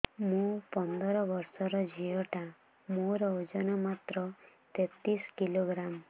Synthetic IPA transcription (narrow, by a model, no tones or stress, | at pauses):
mũpɔnd̪ɔɾɔbɔɾsɔɾɔd͡ʒiɔʈã | mũɾɔwd͡ʒɔnɔmat̪ɾɔ | t̪et̪iskiloɡɾam